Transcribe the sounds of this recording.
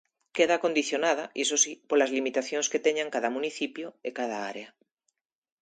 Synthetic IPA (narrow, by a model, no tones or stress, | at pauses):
keðakond̪iθjonað̞aʔisosipolazlimit̪aθjonsket̪eɲaŋkaðamũniθipjoekaðaaɾea